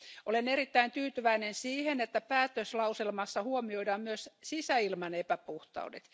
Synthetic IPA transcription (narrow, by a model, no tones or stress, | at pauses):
ʔoleneɾit̪ːæint̪yːt̪yʋæinensiːhenet̪ːæpæːt̪øslɑuselmɑsːɑhuomioidɑːmmyøssisæilmɑnepæpuht̪ɑ̰udḛt̪